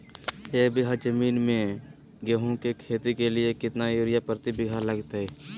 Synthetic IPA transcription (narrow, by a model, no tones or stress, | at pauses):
eːkbɪɦad͡ʒəmiːnmẽ | ɡeːɦõkekʰeːt̪ikelɪekɪt̪najoɾɪjapɾt̪ibɪɡʱaləɡt̪ɦɛː